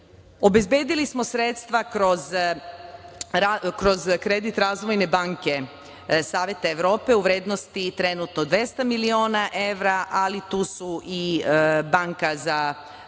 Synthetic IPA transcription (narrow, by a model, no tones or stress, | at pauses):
o̞be̞zbje̞ːd̪ilismo̞sɾet̪st̪ʋakɾo̞z | akɾo̞zkɾe̞d̪it̪ɾaːzʋo̞jne̞baːŋke̞ | saːʋʲje̞t̪aeʋɾo̞ːpe̞uʋɾe̞ːd̪no̞st̪it̪ɾe̞nut̪nod̪ʋje̞st̪amilio̞ːnaʔe̞ʋɾaʔalit̪uːsuʔibaŋkaza